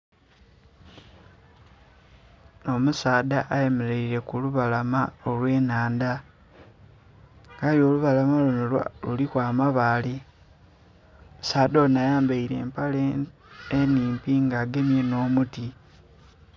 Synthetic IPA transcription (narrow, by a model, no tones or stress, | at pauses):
no̞musaːdaʔːje̞meɾeiɾe̞kuluβalamaolwe̞ːnaːnda | ŋɡaljo̞luβalamalunolulikwaːmaβaːli | musaːdonajaːmbaiɾe̞ːmpaleeniːmpiŋɡaːɡe̞mje̞no̞ːmuti